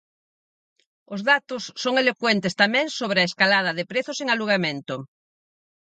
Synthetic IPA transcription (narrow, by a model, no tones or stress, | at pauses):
ozðat̪osːoŋelokwent̪est̪amẽŋsoβ̞ɾeaeskalað̞ɐðepɾeθoseŋaluɣ̞amẽnt̪o